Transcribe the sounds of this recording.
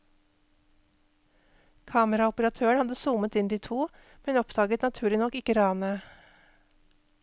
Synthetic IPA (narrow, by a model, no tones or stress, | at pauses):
kʰɑːməɾɑɔpəɾɑt̪ʰøːəɳhɑd̪əsuːmət̪ɪnd̪iːt̪ʰuː | mɛnɔpd̪ɑːɡət̪nɑt̪ʰʉːɭɪnɔkːɪkəɾɑːnə